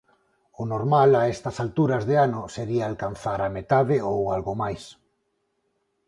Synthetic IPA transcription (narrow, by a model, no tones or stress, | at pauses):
ʊnoɾmalaest̪ɐsalt̪uɾazðeanʊseɾiaːlkanθaɾamet̪aðɪowalɣomajs